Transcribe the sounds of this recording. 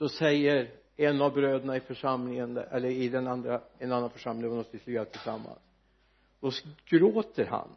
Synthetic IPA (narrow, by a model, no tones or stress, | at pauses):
d̪̥ɔsɛjːəɾ | ɛnːavbɾøːd̪əɳaɪfœʂamlɪŋənɛlːəɾɪd̪ɛnand̪ɾaɛnanːanfœʂamlɪŋɔnɔst̪ɪsʏat̪ʰɪlsamːa̰ns | d̪̥ɔɡ̥ɾoːt̪əɾɦa̰n